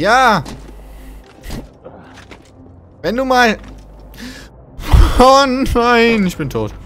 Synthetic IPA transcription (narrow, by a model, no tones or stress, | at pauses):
jaː | vɛnduːmaːl | onaɪnɪçb̥ɪntʰoːt